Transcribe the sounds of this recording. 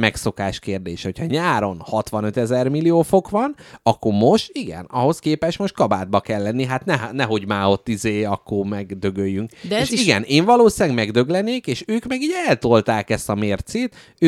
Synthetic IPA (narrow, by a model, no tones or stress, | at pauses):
mɛkso̞kaːʃkeːrd̪ḛːʃho̞chɒɲaːɾo̞nhɒt̪ʋɒnøt̪ɛzɛrmilijoːfo̞kʋɒnɒkːo̞rmo̞ʃt̪iɡɛ̰nɒɦo̞skeːpɛʃt̪mo̞ʃt̪̚kɒba̰ːd̪̚bɒkɛlːɛnːiɦat̪nɛɦnɛɦo̞ɟmaːo̞t̪ːizeːɒkːormɛɡd̪ø̞ɡøjːyŋkdeʃiɡɛneːɱvɒloːsiaːɡmɛɡd̪ø̞ɡlɛneːkeːʃøːkmɛɡiːɟɛlt̪olt̪aːkɛst̪ɒmeːrt̪seːt̪ | øː